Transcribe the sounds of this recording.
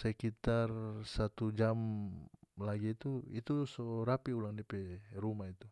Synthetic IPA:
səkit̪arsat̪ud͡ʒam | laɡiːt̪uit̪usoɾapiulaŋdiapɛrumait̪u

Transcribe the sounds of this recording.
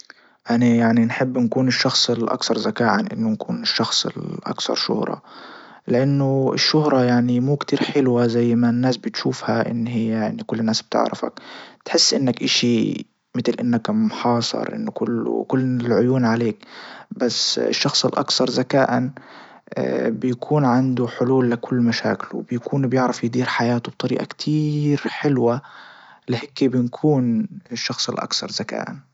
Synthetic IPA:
ʔanajaʕninħɪbːnkuːnɪʃːɑxsˤɪlʔɑ̰kθɑɾˤzakaːʔanʔɪnːʊnkuːnɪʃːɑxsˤɪ̰lʔɑ̰kθɑ̰ɾˤʃʊ̰hɾˤɑ̰ | lɪʔanːʊɪ̰ʃːʊhɾˤɑjaʕnimuːkt̪iːɾħɪlwazajːmanːaːsbɪt̪ʃuːfhaʔɪ̰nːɦɪjːaaʕnikʊlːnːaːsb̚t̪ɪ̰ʕɾɪ̰fa̰kt̪ħɪsːʔɪnːakʔaʃi | mɪt̪lʔɪnːakmħɑːsˤɑ̰ɾˤʔɪ̰nːʊkʊl̰ːkʊlːɪlʕʊjuːnʕaleːkbasɪ̰ʃːɑxsˤɪlʔɑ̰kθɑɾˤzakaːʔan | bɪjakʰuːnʕand̪uħʊluːlːɪkʊlːmaʃa̰ːkɪl̰w̰bjakʰuːnbjɪʕɾɪfjɪd̪iːɾħajaːt̪ub̚t̪ˤɑɾiːʔa̰kt̪ʰiːɾħɪlwa | lɪheːkːibɪnkʰuːnɪʃːɑxsˤɪlʔɑ̰kθɑɾˤzaka̰ːʔan

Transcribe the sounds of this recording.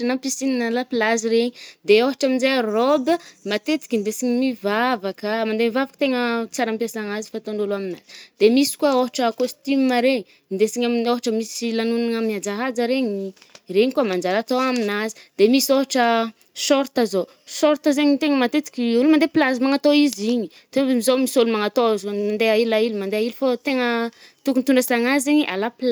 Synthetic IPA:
napisininalapilaziɾeɲid̪eoɦaʈ͡ʂaminzearobəmat̪et̪i̥kʲind̪esiɲimivavakəmand̪emivavakə̥t̪eŋət͡saɾampjasaŋazi̥fat̪anoluaminaz̥i̥d̪emisi̥kuaoɦaʈ͡ʂəkost̪iməɾeɲi | nd̪esiɲaminoɦaʈ͡ʂəmisilanunaŋamiad͡zaɦad͡zəɾeɲi | reɲikuəmand͡ʒaɾat̪oaminazi̥d̪̥emisoɦaʈ͡ʂə | sɔɾt̪azo | sɔɾt̪əzeɲit̪eŋəmat̪et̪i̥kʲiulumand̪eplazimaŋat̪oiziɲi | t̪emizomisolumaŋat̪ozmand̪eailailimand̪eailufot̪eŋət̪ukunit̪unɖ͡ʐəasaŋazeɲiʔa̰lapla

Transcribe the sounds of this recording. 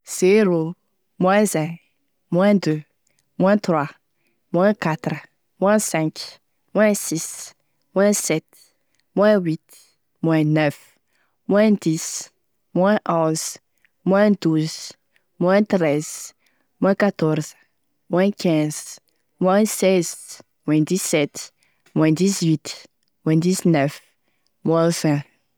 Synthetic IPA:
z̥eɾo | mw̃ɛ̃zɛ̃ | mw̃ɛ̃d̪ø | mw̃ɛ̃t̪ɾwa | mw̃ɛ̃kat̪ɾ | mw̃ɛ̃sɛ̃k | mw̃ɛ̃sis | mw̃ɛ̃sɛt̪ | mw̃ɛ̃wit̪ | mw̃ɛ̃nɛf | mw̃ɛ̃d̪is | mwɛ̃ʔɔ̃z | mwɛ̃d̪uz | mwɛ̃t̪ɾɛz̥ | mwɛ̃kat̪ɔɾz̥ | mwɛ̃kɛ̃z̥ | mwɛ̃sɛz | mwɛ̃d̪isɛt | mwɛ̃dizwit̪ | mwɛ̃diznɛf | mwɛ̃vɛ̃

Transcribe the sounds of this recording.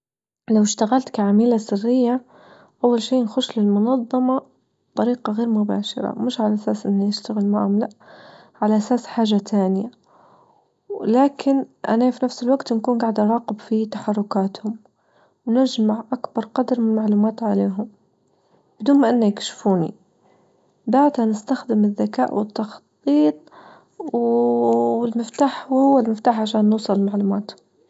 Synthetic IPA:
lawɪʃt̪aɣalt̪kaʕamiːlasɪrːɪjːa | ʔawːalʃiːʔnxʊʃlɪlmʊnɑðˤːɑmɑ | bb̥t̪ˤɑɾiːqɑɣeːɾmʊba̰ːʃɑ̰ɾˤɑ̰mɪʃʕalaʔasaːsʔɪnːijɪʃt̪aɣɪlmaʕʊmlaʔ | ʕalaʔasaːsħaːʒat̪ʰaːnɪja | wlaːkɪnʔa̰nafinafsɪlwaɡt̪nkuːnɡaʕd̪ʔɑɾˤɑːqɪbfit̪aħɑrˤːʊkaːt̪hʊm | wnɪʒmaʕʔakbɑɾˤqɑd̪ɾmɪnɪlmaʕluːmaːt̪ʕaleːɦʊm | b̥ɪd̪uːnmaʔɪnːajɪkʃfuːnḭ | baʕt̪hanɪst̪axd̪ɪmɪðːakaːʔwɪt̪ːɑxt̪ˤiːt̪ˤ | w | wɪlmɪft̪aːħhʊwːalmɪft̪aːħʕaʃaːnːuːsˤɑlmaʕluːmaːt̪hʊm

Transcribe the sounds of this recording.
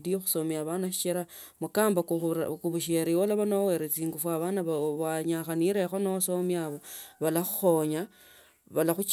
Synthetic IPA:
dijoxu̥somjaβanaʃi̥t͡ʃiɾa | mukaːmbakuβuʃeɾiwolaβanoweɾet͡siːŋɡufwaβanaββaɲaxaniɾexonoaso̞mjaβoβalaxuxo̞ɲa | βalaxut͡ʃ

